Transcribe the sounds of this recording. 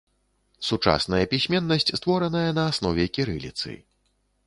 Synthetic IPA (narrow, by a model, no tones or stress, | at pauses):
sut͡ʂa̰snɐjɐpʲisʲmʲɛnːɐsʲt͡sʲst̪vɔɾɐn̪ɐjɐnɐːsnɔvʲɛkʲiɾɨlʲḭt̪sɨ̰